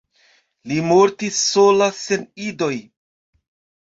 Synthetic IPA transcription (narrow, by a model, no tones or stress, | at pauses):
limo̞ɾtisːo̞lase̞nido̞j